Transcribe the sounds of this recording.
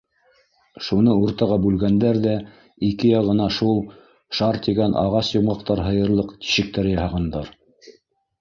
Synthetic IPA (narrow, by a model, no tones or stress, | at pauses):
ʃunɤuɾt̪ɑʁɑbʉlɡænd̪æɾðæ | ikɘjɑʁɤ̆nɑʃulˠ | ʃɑɾt̪iɡænʔɑ̰ʁɑsjŏmʁɑqt̪ɑɾɦɤ̆jɤ̆ɾlˠɤqt̪i̥ʃɘ̆k̚t̪æɾɘjɑhɑʁɑnd̪ɑɾ